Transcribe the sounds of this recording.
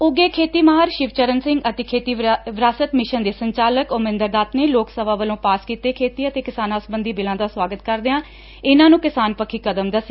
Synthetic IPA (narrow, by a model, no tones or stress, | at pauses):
ʊɡeːkʰeːt̪iːmaːɦəɾʃɪʋt͡ʃəɾənsɪ̃ŋɡət̪eːkʰeːt̪iːʋɾaːsət̪mɪʃənd̪eːsəɲt͡ʃaːləkoːmɪ̃nd̪əɾd̪aːt̪neːloːksəbaːʋəlõːpaːskiːt̪eːkʰeːt̪iːət̪eːkɪsaːnãːʊsbənd̪iːbɪlãːd̪aːswaːɡət̪kəɾd̪eãː | ɪnãːnũːkɪsaːnpəkʰiːkəd̪əmd̪əse